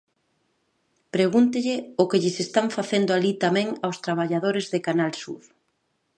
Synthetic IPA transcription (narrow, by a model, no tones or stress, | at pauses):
pɾeɣunt̪ɪʎɪʊkeʎɪsest̪aŋfaθend̪oalit̪amɛ̃ŋawst̪ɾaβ̞aʎaðoɾɪzðɪkanalsṵð